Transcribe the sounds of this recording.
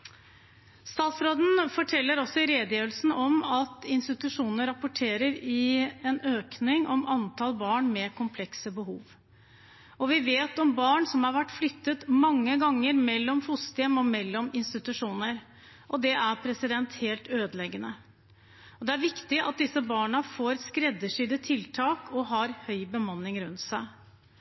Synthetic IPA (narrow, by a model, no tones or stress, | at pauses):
st̪ɑːt̪sɾoːd̪n̩fɔʈʰɛlːəɾɔsːɔɪɾeːd̪əjiːʋəlsn̩ɔmɑt̪ɪnst̪ɪt̪ʉʂuːnəɾɑpːʊʈʰeːɾəɾɪɛnøːknɪŋʔɔmɑnt̪ʰɑlbɑːɳmɛkʰʊmpʰlɛksəbəhuːʋ | ɔʋɪʋeːt̪ɔmbɑːɳsɔmhɑɾʋæʈːflʏt̪ːət̪mɑŋːəɡɑŋːəɾmɛlːɔmfʊst̪ɛmɔmɛlːɔmɪnst̪ɪt̪ʉʂuːnəɾ | ʔɔd̪ɛʔæɾpʰɾɛsɪd̪ɛnt̪heːlt̪øːd̪əlɛɡənə | ɔd̪ɛæɾʋɪkt̪ɪʔɑ̰t̪̚d̪ɪsəbɑːɳəfoːɾskɾɛd̪ːəʂyːd̪ət̪ʰɪlt̪ʰɑːkʰɔɦɑɾhœʏbəmɑnːɪŋɾʉnt̪sæɪ